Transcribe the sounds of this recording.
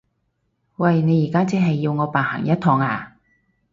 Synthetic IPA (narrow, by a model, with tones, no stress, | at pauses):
wɐ˨˩jne˨˧jiː˨˩kaː˥t͡sɛ˨˥ɦɐ˨jːiː˧wŋɔː˨˧paː˨nha̰˨˩ŋjɐ˥t̪ʰɔː˧ŋaː˧